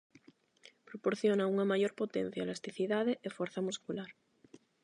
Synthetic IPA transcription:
pɾopoɾθjonauŋamaʝoɾpot̪en̟θjalast̪iθiðaðeʔefweɾθamuskulaɾ

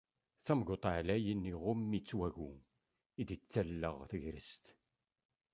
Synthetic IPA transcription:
θæmɡot̪ˤaʕlæjənːiʁʊmːit͡sːwæʝu | id̪it͡sːælːəʁθəʝɾə̰st̪

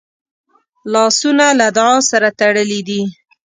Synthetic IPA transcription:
lɑsunalad̪ʊɑsaɾat̪aɽəlid̪i

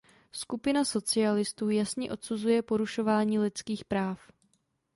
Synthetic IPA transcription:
skupɪnaso̞t͡sɪalɪst̪uːjasɲɛʔo̞t̪suzujɛpo̞ɾuʃo̞vaːɲiːlɪt͡skiːxpɾaːf

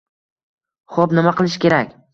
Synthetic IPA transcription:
χopnɪmaqʰɨlˠɪʃkʲʰe̞ɾakʲ

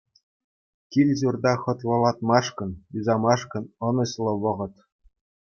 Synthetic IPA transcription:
kʲilʲʑurd̪ɑχɤ̆t̪ʋɤ̆lˠɑt̪mɑʂkɤ̆nyzɑmɑʂkɤ̆nɤ̆nɤ̆ɕlˠɤ̆ʋɤ̆ʁɤ̆t̪

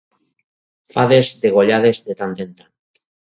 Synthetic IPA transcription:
faðezðeɣ̞oʎaðezd̪et̪ant̪ent̪an

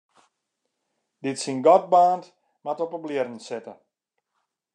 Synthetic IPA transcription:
dɪtsinɡɔt̚baːnt | matɔpəblɪərən̩sɪtə

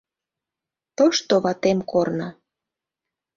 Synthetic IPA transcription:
t̪oʃt̪oβɑt̪emkornɑ

